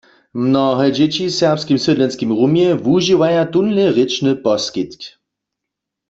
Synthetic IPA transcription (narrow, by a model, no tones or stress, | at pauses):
mnɔɦɛd͡ʒɛt͡ɕisɛʁpskimsɪdlɛnskimʁumjɛvuʒiwajat̪unlɛʁɪt͡ʃnɨpɔskit̪k